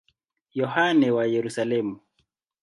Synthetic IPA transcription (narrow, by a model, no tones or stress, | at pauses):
jɔhanɛwajɛɾusalɛmu